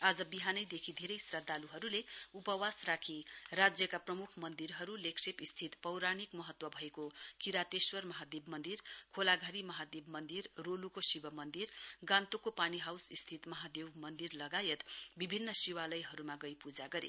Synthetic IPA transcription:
ad͡zʌbiɦanʌjd̪ekʰid̪ʱeɾʌjsrad̪ʱaluɦʌɾuleupʌwasrakʰirad͡zjʌkaprʌmukʰmʌnd̪iɾɦʌɾuleksepist̪ʰit̪pʌwɾanikmʌɦʌt̪wʌbʱʌekokiɾat̪eswʌrmʌɦad̪ebmʌnd̪irkʰolaɡʱaɾimʌɦad̪ebmʌnd̪irːolukosibʌmʌnd̪irɡãnt̪okopaniɦawsist̪ʰit̪mʌɦad̪ewmʌnd̪irlʌɡajet̪bibʱinːʌsiwalʌjɦʌɾumaɡʌjpud͡zaɡʌɾḛ

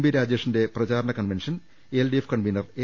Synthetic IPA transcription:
mbiɾaːd͡ʑeʂɐnde̞prɐt͡ɕaːɾɐɳɐkɐnʋenʂɐn | elɖiefkɐɳʋiːnɐre

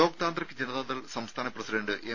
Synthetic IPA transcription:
o̞ːkt̪aːnd̪rɐkʲːɨd͡ʑenɐðaːd̪ɐlsɐmst̪ʰaːnɐprɐsiɖeɳɖɨʔe

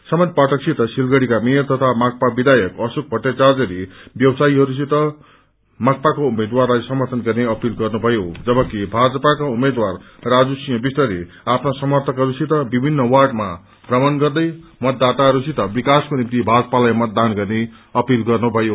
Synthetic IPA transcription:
sʌmʌnpaʈʰʌksʰit̪ʌsilɡʌɽikameʌrt̪ʌt̪ʰamak̚pabid̪ajʌkʌsuk̚bʱʌʈːet͡sard͡zʌɾibjʌwsaiɦʌɾusʰit̪ʌ | mak̚pakoumed̪warlajsʌmʌrt̪ʰʌnɡʌrneʌpilɡʌrnubʱʌjod͡zʌbʌkibʱad͡zʌpakaumed̪war | rad͡zusijʌ̃bist̪ʌɾe | apʰnosʌmʌrt̪ʰʌkɦʌɾusʰit̪ʌbibʱinːʌwaʈma | b̥rʌmʌnɡʌrd̪ʌjmʌt̪̚d̪at̪aɦʌɾusʰit̪ʌbikaskonimt̪ibʱad͡zʌpalajmʌt̪̚d̪anɡʌrne | ʌpilɡʌrnubʱʌjo

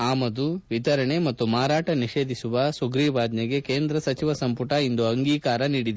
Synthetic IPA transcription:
aːmɐd̪uʋit̪ɐɾɐɳe̞mɐt̪ːumaːɾaːʈɐniʃe̞ːd̪ʱisuʋɐsuɡɾiːʋaːd̪nɐɡe̞keːnd̪ɾɐsɐt͡ʃiʋɐsɐmpuʈɐind̪uɐŋɡiːkaːɾɐniːɽid̪e

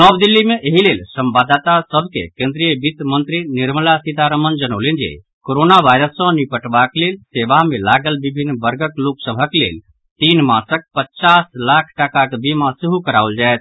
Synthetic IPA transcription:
nɔbd̪ilːimeʔeɦilelsəmbad̪at̪asəbʱkḛkẽnd̪ɾijəbit̪mənt̪ɾiniɾməlasit̪aɾəmənd͡ʒənəlend͡ʒḛ | koɾonaʋajɾəsːə̃nipəʈbaklelseʋamẽlaɡəlbibʱinːbəɾɡəkloksəbʱəklḛl | t̪inmãsək̚pətːt͡ʃaslakʰʈakakbʱimãsiɦukəɾauld͡ʒaet̪̚ʰ

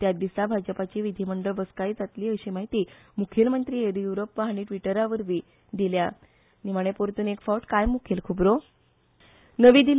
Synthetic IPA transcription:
t̪jad̪isabʱad͡zəpat͡ɕiːʋid̪ʱiməɳɖəɭʋəskajd͡zat̪liːəɕiːmaɦit̪iː | mukʰjelmənt̪ɾiːed̪ijuɾopːaaɽ̃iʈʋiʈəɾaʋəɾʋi | d̪ilja | niməɽ̃epoɾt̪uːnekfɔʈkajmukʰelkʰubɾo | nəʋiːd̪il

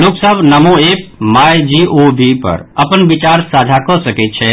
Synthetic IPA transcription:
loːksəbʱnəmoeːp̚maːjd͡ʒiobipə̰ɾɐpənbɪt͡ʃaːɾsaːd͡ʒʱakɔsəket͡ʃʰɛ

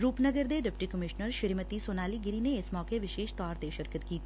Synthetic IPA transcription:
ɾuːpnəɡəɾd̪eɖɪpʈikəmɪʃnəɾʃɪɾimət̪isoːnaːliɡɪɾineɪsmɔːkeʋɪʃeːʃt̪ɔːɾt̪eʃəɾkət̪kiːt̪ʰː

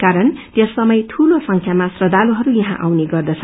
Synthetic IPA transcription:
kaɾʌnt̪jʌsːʌmʌjt̪ʰulosʌŋkʰjamasrʌd̪aluɦʌɾujʌɦã̰ʔa̰wneɡʌrd̪ʌt͡sʰʌ

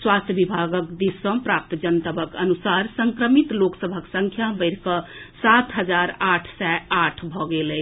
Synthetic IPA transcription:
swast̪ʰjəbibʱaɡəkd̪isːə̃pɾap̚t̪d͡ʒənt̪əbəkənusaɾsəŋkɾəmit̪loksəbʱəksə̃ŋkʰjabəɪɾkəsat̪ɦəd͡ʒaɾaʈʰsɛaʈʰbʱɔɡelɛ

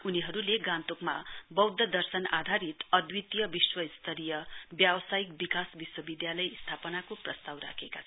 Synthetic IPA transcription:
uniɦʌɾuleɡãnt̪okmabʌwd̪ʱːʌd̪ʌrsʌna̰d̪ʱaɾit̪ʌd̪wit̪jʌbiswʌist̪ʰʌɾijʌbjawʌsajikbikasbiswʌbid̪jalʌjst̪ʰapʌnakoprʌst̪awra̰kʰekat͡sʰ

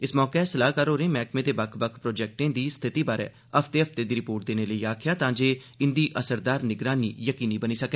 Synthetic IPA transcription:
ɪsmɔːkeɛsəlaːɦkaːɾoːɾẽːmɛːkmẽːt̪eːbəkʰbəkʰpɾoːd͡ʒɛːk̚ʈẽːd̪iːst̪ʰɪt̪iːbaːɾɛ̰ː | əpʰt̪eːəft̪eːd̪iːɾɪpoːɾʈ̚d̪eːneːləiːaːkʰjaːt̪ãːd͡ʒeː | ɪnd̪iːʔəsəɾd̪aːɾnɪɡɾaːnḭːjəkiːniːbəniːsəkɛː

